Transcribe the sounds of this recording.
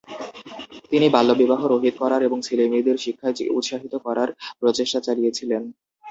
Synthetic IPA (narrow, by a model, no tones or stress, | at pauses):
t̪inibʱalːobibaɦoɾoɦid̪̚kɔɾaɾeboŋsilemid̪eɾʃikʰːaut̪ʃaɦit̪okɔɾaɾpɾot͡ɕeʃʈat͡ɕalijet͡ɕʰilen